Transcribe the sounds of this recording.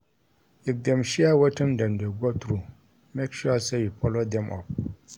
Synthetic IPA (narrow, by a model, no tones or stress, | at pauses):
ik̚demʃiawotɨmdamdeɡotɾu | mekʃuaseipɔlodɛmʔɔ̰p̚